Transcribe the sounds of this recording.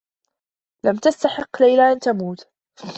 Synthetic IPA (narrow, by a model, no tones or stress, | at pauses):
lamt̪ast̪aħɪqːlajlaʔant̪amuːt̪